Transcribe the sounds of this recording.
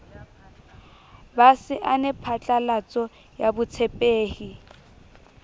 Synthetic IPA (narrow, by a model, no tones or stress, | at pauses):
basɪʔanɪpʰat͡ɬʼalat͡sʼɔ | jabʊt͡sʰepʼeːhi